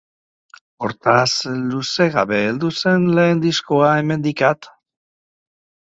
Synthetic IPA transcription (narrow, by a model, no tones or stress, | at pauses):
o̞ɾt̪asluse̞ɣaβe̞ːld̪use̞nle̞ːnd̪isko̞aeme̞nd̪ikat̪